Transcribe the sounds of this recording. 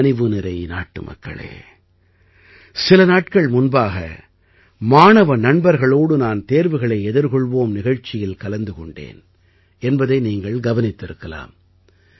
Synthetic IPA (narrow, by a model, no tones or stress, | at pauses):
nɪʋɯnɪɾɐɪnaːʈːɯ̰mɐ̰kːɐ̰ɭḛː | sɪlɐnaːʈ̚kɐɭmʊnbaːɣɐ̰ | maːnɐʋɐnɐɳbɐɾɣɐɭoːɽɯnaːnt̪eːɾʋɯɣɐɭɐɪɛðɪɾkɔɭʋoːmnɪɣɐɻt͡ʃːɪjɪlkɐlɐnd̪ɯkɔɳɖḛːn | ɛnbɐðɐɪniːŋɡɐɭɡɐʋɐnɪt̪ːɪɾɯkːɐla̰ːm